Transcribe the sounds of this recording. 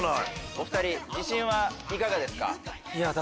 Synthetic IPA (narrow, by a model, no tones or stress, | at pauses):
nao̞ɸɯ̟̥t̪aɾʲid͡ʑiɕĩɰ̃βaikaɡad̪e̞sɨ̥ka̰iat̪